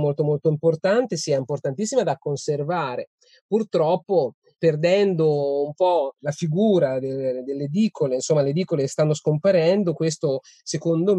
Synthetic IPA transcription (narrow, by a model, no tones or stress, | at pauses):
molt̪omolt̪oimport̪ant̪esiːaimport̪ant̪isːimad̪akːonservaːɾe | purt̪ɾɔpːo | perd̪ɛnd̪oumpɔlafiɡuːɾad̪eld̪elːed̪iːkʰoleinsomːaled̪iːkolest̪anːoskompaɾɛnd̪okwest̪o | sekond̪om